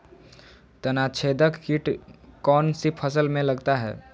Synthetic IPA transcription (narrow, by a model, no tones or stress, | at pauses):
t̪ənat͡ʃʰed̪əkkiʈkɔnsipʰəsəlmẽləɡt̪aɦɛ̰ː